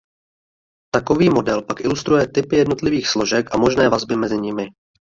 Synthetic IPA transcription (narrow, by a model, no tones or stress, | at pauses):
t̪ako̞viːmo̞dɛlpakʔɪlust̪ɾujɛt̪ɪpɪjɛdno̞t̪lɪviːxslo̞ʒɛkʔamo̞ʒnɛːvazbɪmɛzɪɲɪmɪ